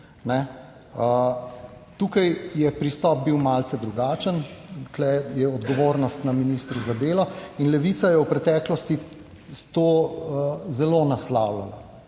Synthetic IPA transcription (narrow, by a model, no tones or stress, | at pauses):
nɛ | ə | t̪uːkajjɛpɾist̪ɔp̚biwmaːlt̪sɛd̪ɾuɡaːt͡ʃənt̪lɛjɛɔd̪ɡɔʋoːɾnɔst̪naminist̪ɾuzad̪eːlɔinlɛʋit̪sajɛwpɾɛt̪ɛːklɔst̪i | t̪oːəzɛlonaslawlala̰